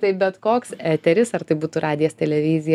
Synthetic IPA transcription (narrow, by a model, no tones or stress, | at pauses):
t̪ɐɪbʲɛt̪koːksæːt̪ʲɛɾʲɪsɐrt̪ɐɪbuːt̪urʔɑːd̪ʲɪjɛst̪ʲɛlʲɛʋʲɪzʲɪjɛ